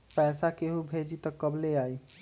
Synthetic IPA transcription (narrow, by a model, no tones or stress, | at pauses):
pɛːsakeɦubʱeːd͡ʒit̪ɔkːəbleaːi